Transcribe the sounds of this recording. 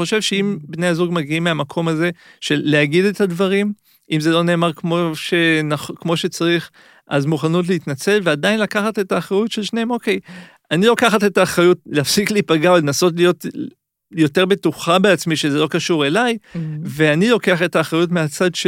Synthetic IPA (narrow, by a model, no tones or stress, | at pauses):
o̞ʃe̞vʃe̞imbne̞jazuɡmaɡiimːeamakʰo̞maze̞ʃe̞lːeaɡidetadvaʁim | imze̞lo̞ne̞ːmaʁkmo̞ʃe̞naχkmo̞ʃe̞t͡saʁiχ | ʔazmuχanut̬leitnat͡se̞lve̞adainlakaχate̞taːχʁajutʃelʃneemo̞ke̞j | anilokaχate̞taːχʁajutleafsikliːpaɡaolenaso̞tlijo̞t | jo̞te̞ʁbe̞tuχabeat͡smiʃe̞zelo̞kaʃuʁe̞lajve̞anilo̞ke̞aχe̞taːχʁajutmeat͡sadʃ